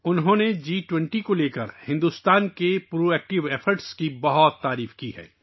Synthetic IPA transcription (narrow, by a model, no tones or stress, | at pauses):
ʊnɦõːned͡ʒiːʈwɛ̃ɳʈikoleːkəɾhɪ̃nd̪ust̪aːnkepɾoːɛːk̚ʈɪʋɛːfʰəɾʈskibɐɦɔt̪ːaːɾiːfkiɦɛ̰ː